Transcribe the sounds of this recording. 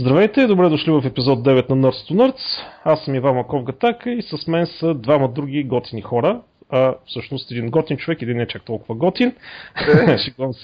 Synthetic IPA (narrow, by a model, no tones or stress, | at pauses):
zd̪ɾɐvɛjt̪ɛd̪obɾɛd̪ʊʃlivɐfɛpizɔd̪̚d̪ɛvɛt̪nɐnɤɾt̪st̪ʊnɤɾt̪sasːəmivammɐkɔvɡɐt̪akəisɐsmɛnsəd̪vaməd̪ɾuɡ̟ʲiɡɔt̪inixɔɾə | ɐfsɤʃnʊst̪ɛd̪inɡɔt̪int͡ʃovɛkɛd̪inːɛt͡ʃak̚t̪ɔlˠkʊvəɡɔt̪in | ʃiɡs